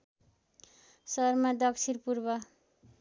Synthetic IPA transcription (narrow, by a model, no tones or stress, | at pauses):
sʌrmad̪ʌksʰiɾpurbʌ